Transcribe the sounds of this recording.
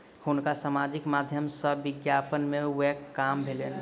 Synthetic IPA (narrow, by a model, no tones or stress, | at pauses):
hunkasamad͡ʒikmad̪ʱjəmsəʋɪɡjapənmewɛkːambʱelen